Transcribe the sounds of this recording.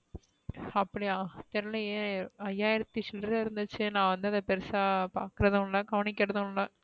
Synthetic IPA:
ɐpːɐɽiaːt̪ɛɾɐlɐeːɐjːaːɪɾɐt̪ːisɔlɾɐɪɾɯnd̪ɯt͡ʃːɯnãːʋɐnd̪ɯɐðɐpɛɾɪsaːpaːɾkɯɾɐðʊ̃lɐɡɐʋɐnɪkːɪɾɐðʊ̃lɐ

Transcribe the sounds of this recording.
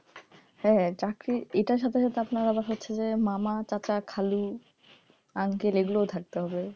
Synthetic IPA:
hɛt͡ɕakɾieʈaɾʃat̪ʰeʃat̪ʰeapnaɾabaɾɦotːɕʰed͡ʑemamat͡ɕat͡ɕakʰalu | aŋkeleɡulot̪ʰak̚t̪eɦɔbe

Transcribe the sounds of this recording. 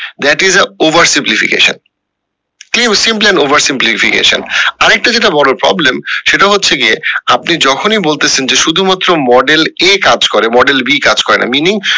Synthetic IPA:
d̪ɛʈizəovɐɾsimplifḭkḛʃo̰n | klimsimplɛnɖovɐɾsimplifikḛʃo̰naɾɛk̚ʈad͡ʑeʈabɔɽopɾɔ̰blemʃeʈaɦotːɕʰed͡ʑeapnid͡ʑɔkʰonibolt̪et͡ɕʰend͡ʑeʃud̪ʱumat̪ːɾomɔɖelekad͡ʑkɔɾemɔɖelbikad͡ʑkɔɾena̰miniŋ

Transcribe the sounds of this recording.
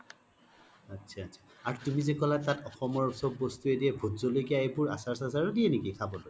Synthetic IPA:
atːsʰaːtsʰḁ | aɹtumizekɔlatatɔxɔmɔɹsɔbːɔstuediɛbʱozɔlojkijaejbʊɹa̰saɹsasaɹɔdiɛnikikʰabɔloj

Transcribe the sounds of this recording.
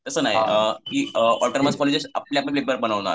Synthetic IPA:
t̪əsənaɦikiːɔlʈəɾməskɔled͡ʑesa̰pleapñpepəɾbənaʋna̰ɾ

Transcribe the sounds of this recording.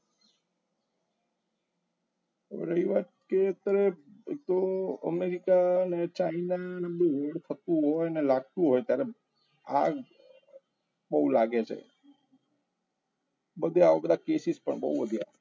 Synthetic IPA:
ɾəɦiʋat̪keət̪əɾeek̚t̪oə̰meɾikanet͡ʃainanebũʋəɽt̪ʰət̪ũɦɔjnelaɡ̚t̪ũɦɔjt̪jaɾe | a̰ɡ | bəɦulaɡet͡ʃʰḛ | bəd̪ʱeaʋokəd̪akesispə̰ɳbə̰ɦuʋəd̪ʱja̰

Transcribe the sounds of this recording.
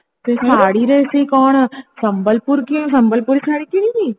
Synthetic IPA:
t̪esʰaːɽiɾɐɦeseikɔːɽ̃sɐ̃mbəlpʊɾkĩsɐmbəlpʊɾisʰaːɽikiɾĩɡiː

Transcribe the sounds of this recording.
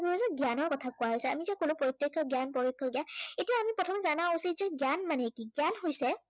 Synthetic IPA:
ɡuuzɔɡjanɔɹkɔtʰakʊaɦojsɛamizɛkolʊ̃pɹoitɹekʰːɔɡjanpɹɔɹikʰːɔɡjanetijaamipɔtʰɔmɛzanaosizɔɡjanmanɛkiɡjanɦojsɛ

